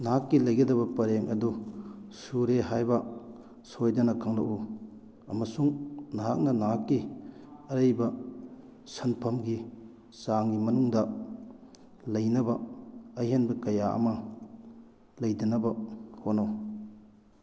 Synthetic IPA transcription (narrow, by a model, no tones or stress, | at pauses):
nakːilɐjɡɐdɐbɐpɐɾeŋʔɐdusuɾeɦajbɐ | sojdɐnɐkʰɐŋlɐ̰ʔu | ɐmɐsuŋnaɦak̚nɐnaakːiɐɾɐjbɐ | sɐnpʰɐmɡi | saŋɡimɐnuŋdɐ | lɐjnɐbɐɐjɦenbɐkɐjaʔɐ̰mɐ | lɐjdinɐbɐhonow